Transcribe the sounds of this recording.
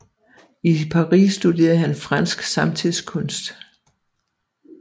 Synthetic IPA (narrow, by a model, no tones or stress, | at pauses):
ipʰɑ̈ʁḭːsːd̥ud̥e̝̰ːɐðˠɦænfʁɑn̰sɡ̥sɑ̈mt͡sʰiðˠskʰɔ̽nsd̥